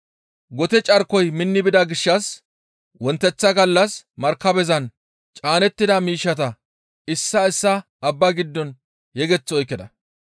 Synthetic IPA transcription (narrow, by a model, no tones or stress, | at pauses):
ɡɔt̪ɛt͡ʃʼɐɾkɔjmɪnːɪbɪd̪ɐɡɪʃːɐs | wɔnt̪ːɛt͡sːɐɡɐlːɐsmɐɾkːɐbɛzɐn | t͡ʃʼaːnɛt̪ːɪd̪ɐmiːʃːɐt̪ɐ | ɪsːɐɪsːɐː | bːɐɡɪd̪ːɔn | jɛɡɛt͡sːɔjkːɪd̪ɐ